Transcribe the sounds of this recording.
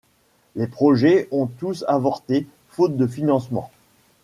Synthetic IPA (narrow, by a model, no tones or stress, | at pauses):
lepχɔʒɛɔ̃t̪usavɔʁt̪e | fot̪̚d̪əfinɑ̃smɑ̰̃